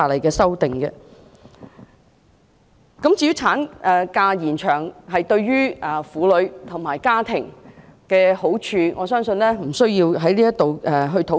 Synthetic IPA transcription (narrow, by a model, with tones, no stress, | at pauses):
aː˨lɐ˨˩jkɛː˧sɐ˥wt̪ɪ˨ŋkɛ˧ | kɐ˨˥mt͡siː˧jy˨˥t͡sʰaː˨˥nʔɛ˨kaː˧jiː˨˩nt͡ʃʰœː˨˩ŋɦɐ˨jt̪ɵ˧ɥɥyː˥ɛː˨˩fuː˨˥lɵ˨˧ɥt̪ʰʊ˨˩ŋmaː˨˩jkaː˥t̪ʰɪ˨˩ŋkɛː˧ho˨˥wt͡ʃʰyː˧ŋʔɔː˨˧sœː˥ŋsɵ˧nlɛː˥m̩˨˩sɵ˥ɥjiː˧wɦɐ˨˥jliː˥jɐ˥t̚t̪o˨wʔɛ˨ɦɵ˧ɥt̪ʰo˨˥